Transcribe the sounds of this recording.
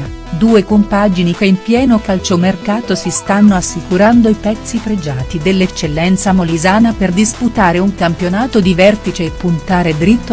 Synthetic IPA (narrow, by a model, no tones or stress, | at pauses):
d̪uːekompad͡ʒinikeimpjɛːnokalt͡ʃomerkaːt̪osist̪anːoasːikuɾand̪oipɛt̪sːifɾed͡ʒaːt̪id̪elːet͡ʃːelːɛnt̪samolizaːnaperd̪isput̪aːɾeuŋkampjonaːt̪od̪ivɛrt̪it͡ʃeːpːunt̪aːɾed̪ɾit̪ːo